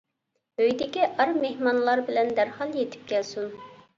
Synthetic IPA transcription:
øjd̪ɪkʲiʔɑɾmehmɑnlˠɑɾbɪlɛnd̪æɾhɑlˠjet̪ʰɪ̥p̚kʲʰɛlsun

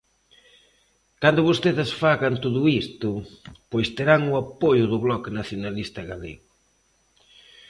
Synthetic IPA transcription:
kand̪ʊβost̪eðɪsfaɣant̪oðʊist̪ʊpojst̪eɾaŋʊapojʊðʊβlɔkɪnaθjonalist̪ɐɣalḛɣʊ

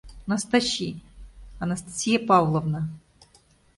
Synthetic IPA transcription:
nɐst̪ɐɕʲi | ɐnɐst̪ɐ̥sʲijɐpɑwlˠɔwnɐ

